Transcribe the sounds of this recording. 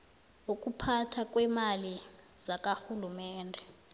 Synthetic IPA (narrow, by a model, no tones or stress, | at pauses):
uk̬ʼupʰatʰak̬ʼwɛmali | z̥ak̬ʼaxulumɛːndʱɛ